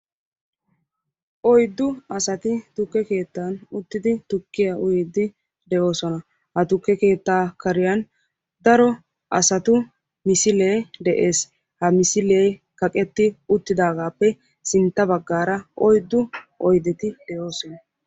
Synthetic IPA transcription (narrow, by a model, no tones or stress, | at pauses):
ʔɔjd̪ːʊɐsɐt̪ɪt̪ʊkːɛke̞ːt̪ːaːnʊt̪ːɪd̪ɪt̪ʊkːɪjaʔʊjiːd̪ːɪ | d̪ɛʔo̞ːsɔnɐ | hɐt̪ʊkːɛke̞ːt̪ːaːkɐɾɪjɐn | d̪ɐɾɔ | ʔɐsɐt̪ʊ | mɪsɪleːd̪ɛʔeːs | hɐmɪsɪleːkɐkʼɛt̪ːɪʊt̪ːɪd̪aːɡaːpːɛ | sɪnt̪ːɐbɐɡːaːɾɐʔɔjd̪ːʊʔɔjd̪ɛt̪ɪd̪̥ɛʔo̞ːsɔnɐ